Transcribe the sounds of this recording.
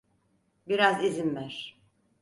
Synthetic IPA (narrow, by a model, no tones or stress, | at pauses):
biɾazizimvæɾ̥